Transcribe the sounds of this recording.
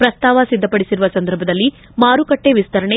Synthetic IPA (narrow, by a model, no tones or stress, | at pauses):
pɾɐst̪aːʋɐsid̪ʱːɐpɐɽisiɾuʋɐsɐnd̪ɐɾbʱɐd̪ɐlːi | maːɾukɐʈːeʋist̪ɐɾɐɳe